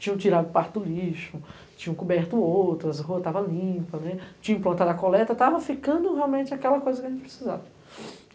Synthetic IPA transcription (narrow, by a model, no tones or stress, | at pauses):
t͡ʃĩɲɐ̃t͡ʃiɾad̪ʊpaɾt̪ʊliʃʊ | t͡ʃĩɲɐ̃kubɛɾt̪ʊowt̪ɾɐɐzɦuɐt̪avɐlĩpɐnɛt͡ʃĩɐ̃plɐ̃nt̪ad̪ɐkolɛt̪ɐt̪avɐfikɐ̃nd̪ʊɦeawmẽnt͡ʃɪakɛlɐkojzɐkɪɐʒẽt͡ʃɪpɾe̥siza̰vɐ